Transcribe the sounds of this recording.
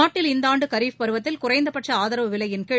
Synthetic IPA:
aːʈːɪlɪnd̪aːɳɖɯkɐɾiːfpɐɾɯʋɐt̪ːɪlkʊrɐɪnd̪ɐpɐʈrɐaːðɐɾɐʋɯʋɪlɐjɪnke

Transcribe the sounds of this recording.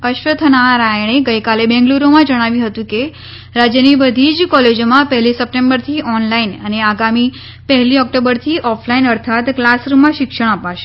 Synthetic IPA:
əʃʋət̪ʰənaɾajɳ̃eɡəjkalebɛ̃ŋɡluɾomãd͡ʒəɽ̃aʋjũɦət̪ũke | ɾad͡ʒjənibəd̪ʱid͡ʒkɔled͡ʒomãpəɦɛlisəp̚ʈẽmbəɾt̪ʰiʔɔnlainəneaɡami | pəɦɛliɔk̚ʈobəɾt̪ʰiʔɔflainəɾt̪ʰat̪klasɾumãʃɪkʃəɽ̃əpaʃe̥

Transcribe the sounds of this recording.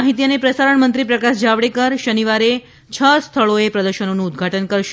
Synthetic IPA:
ɦit̪iənepɾəsaɾəɳmənt̪ɾipɾəkaʃd͡ʒaʋɽekəɾʃəniʋaɾe | t͡ʃʰəst̪ʰəɭoepɾəd̪əɾʃənonũːd̪ɡʱaʈənkəɾʃ

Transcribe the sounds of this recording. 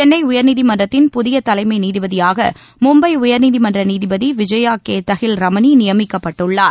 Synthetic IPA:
t͡ʃɛnːɐɪʊjɐɾniːðimɐndrɐt̪ːɪnpʊðɪjɐt̪ɐlɐɪmɐɪniːðɪbɐðɪjaːɣɐ̰ | mʊmbɐɪʊjɐɾniːðimɐndrɐniːðɪbɐðiʋɪd͡ʒɐjaːkeːt̪ːɐɣɪlɾɐmɐninɪjɐmɪkːɐpːɐʈːɯɭːaːɾ

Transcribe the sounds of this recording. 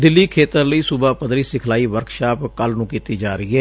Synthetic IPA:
d̪ɪlːiːkʰeːt̪əɾləiːsʊbaːpəd̪ɾiːsɪkʰlaːiːʋəɾkʰʃaːpkəlnũːkiːt̪iːd͡ʒaːɾəiːɦɛː

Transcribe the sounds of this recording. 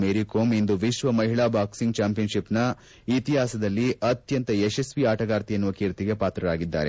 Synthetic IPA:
meːɾikoːmind̪uʋiʃʋɐmɐɦiɭaːbaːksiŋɡ̚t͡ʃaːmpijɐnʃipnɐ | it̪iɦaːsɐd̪ɐlːiɐt̪jɐnt̪ɐesesʋiaːʈɐɡaːɾt̪ijɐnːuʋɐkiːɾt̪iɡe̞paːt̪ɾɐɾaːɡid̪ːa̰ːɾe̞̰

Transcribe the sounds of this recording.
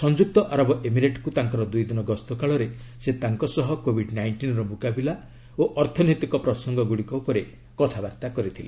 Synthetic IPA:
sɔnd͡ʒuk̚t̪ɔʔaɾɔbɔʔemiɾeʈkut̪aŋkɔɾɔd̪ujd̪inɔɡɔst̪ɔkaɭɔɾe | set̪aŋkɔsɔɦɔkobʱiɖnajɳʈinɔɾɔmukabila | oʔɔɾt̪ʰɔnet̪ikɔpɾɔsɔŋɡɔɡuɽikɔupɔɾe | kɔt̪ʰabaɾt̪akɔɾit̪ʰile

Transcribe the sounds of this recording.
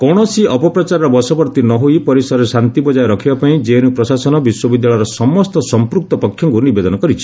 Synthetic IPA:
kɔɽ̃ɔsiɔpɔpɾɔt͡ʃaɾɔɾɔbɔsɔbɔɾt̪inɔɦuipɔɾisɔɾsant̪ibɔd͡ʒajɾɔkʰibapaĩd͡ʒenupɾɔsasɔnɔbiswɔbid̪jaɭɔjɾɔsɔmɔst̪ɔsɔmpɾuk̚t̪ɔpɔkʰjɔŋkunibed̪ɔnɔkɔɾit͡ʃʰi̥

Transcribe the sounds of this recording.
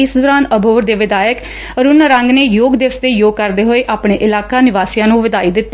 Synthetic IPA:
ɪsd̪oːɾaːnəbʱoːɾd̪eːʋɪd̪aːjək | əɾʊnɾə̃ŋɡneːjoːɡd̪ɪʋəst̪eːjoːɡ̚kəɾd̪eːɦoːeːʔaːpɳeːʔɪlaːkaːnɪʋaːsɪjãːnũːʋɪd̪aːiːd̪ɪt̪ː

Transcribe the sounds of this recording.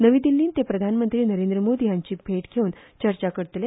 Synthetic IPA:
nəʋiːd̪ilːiːnt̪epɾəd̪ʱanmənt̪ɾiːnəɾend̪ɾəmod̪iːjãɲt͡ɕiːbʱeʈɡʰʱeuːnt͡ɕəɾt͡ɕakəɾt̪le

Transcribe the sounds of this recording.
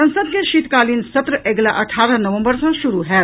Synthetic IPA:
ɐ̃nsəd̪̚keʃiːt̪kaːliːnsɐt̪ɾəʔeɡlaʔəʈʰaːɾənəʋə̃mbəɾsɐ̃ʃuɾuɦɛː

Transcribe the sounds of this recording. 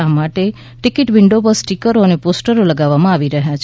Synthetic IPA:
amaʈe | ʈikɪʈʋɪɳɖobəsʈikəɾoəneposʈəɾoləɡaʋːamãaʋiɾəɦjat͡ʃʰ

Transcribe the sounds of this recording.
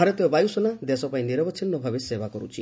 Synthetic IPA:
aɾet̪eɔbajusɔnad̪esɔpaĩniɾɔbɔt͡ʃʰinːɔbʱabesebakɔɾut͡ʃʰi

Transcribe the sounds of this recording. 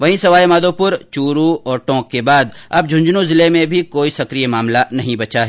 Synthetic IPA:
ʋɐɦĩsɐʋaːemaːd̪oːpʊɾt͡ʃuːɾuɔːɾʈɔ̃ːkːebaːd̪ɐb̚d͡ʒʱʊ̃ɲd͡ʒnũzɪlemẽbʱikoːisɐkɾijemaːmlanɐɦĩbɐt͡ʃaɦɛː

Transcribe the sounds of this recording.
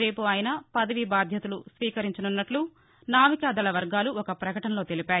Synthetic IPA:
ɾe̞ːpuɐːjnɐpɐd̪ɐʋibaːd̪ʱjɐt̪ɐlusʋiːkɐɾiɲt͡ʃɐnunːɐʈlu | naːmikaːd̪ɐlɐʋɐɾɡaːluɔkɐpɾɐkɐʈɐnɐlo̞ːt̪e̞lipaːji

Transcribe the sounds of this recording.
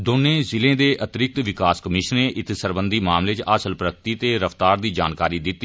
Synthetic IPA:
d̪oːnẽːzɪlẽːd̪eːʔət̪ɾɪk̚t̪ʋɪkaːskəmɪʃəneːʔɪt̪ʰsəɾbənd̪iːmaːmleːt͡ʃaːsəlpɾək̚t̪iːt̪eːɾəft̪aːɾd̪iːd͡ʒaːnkaːɾiːd̪ɪt̪ːiː

